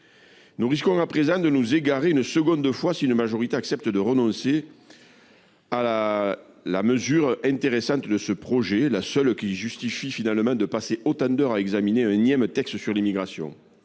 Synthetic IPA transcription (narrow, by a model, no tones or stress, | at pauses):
nuʁiskɔ̃apχezɑ̃d̪ənuzeɡaʁeynəsəɡɔ̃d̪əfwasiynəmaʒɔʁit̪eaksɛp̚t̪əd̪əʁənɔ̃se | a | la̰məzyʁɛ̃nt̪eʁesɑ̃t̪əd̪əsəpχɔʒelasœlkʲiʒyst̪ififinalmɑ̃d̪əpaseʔot̪ɑ̃d̪œʁaɛɡzamineɛ̃njɛmət̪ɛkst̪syʁlimiɡʁasjɔ̰̃